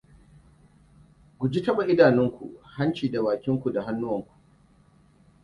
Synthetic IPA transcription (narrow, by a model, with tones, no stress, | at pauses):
ɡʷʊ˨d͡ʒi˦tɐ˦ɓa˨ʔɪ˦daː˨nɪ˦ŋkʷṵ˨ʔha˦nt͡ʃiː˨da˨baː˨kʲɪ˦ŋkʷu˨da˨ha˦nːʊ˦wɐ˨ŋkʷu̥˨ʔ